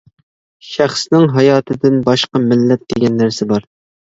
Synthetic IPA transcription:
ʃæχsnɪŋɦɑjɑːt̪ʰɨd̪ɪnbɑʃqɑmɪlːɛp̚d̪̥eɡʲɛnːæɾsɪbɑɾ

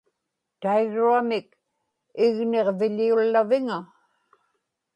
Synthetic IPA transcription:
t̪ajɣuamɪk | ɪɣneʁvɪʎiulːavɪŋa

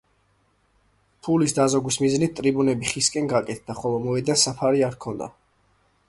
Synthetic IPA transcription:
pʰulisd̪azɔɡwismiznit̪̚t̪ʼɾibunɛbiχiskʼɛnɡakʼɛt̪̚ʰd̪̥aχɔlˠɔmɔɛd̪ansapʰaɾiaɾkʰɔnd̪a̰

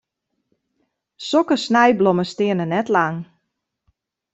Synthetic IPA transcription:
sɔkəsnɛjbloməstɪənənɛtlaŋ

